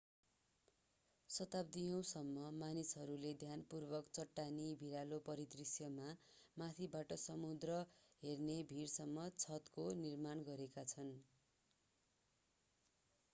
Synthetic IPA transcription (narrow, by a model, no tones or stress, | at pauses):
sʌt̪abd̪ijʌ̃w̃sʌmːʌmanisɦʌɾuled̪ʱjanpurbʌkt͡sʌʈːanibʱiɾalopʌɾit̪risjʌmamat̪ʰibaʈʌsʌmud̪rʌɦernebʱiɾsʌmːʌt͡sʰʌt̪konirmanɡʌɾekat͡sʰʌn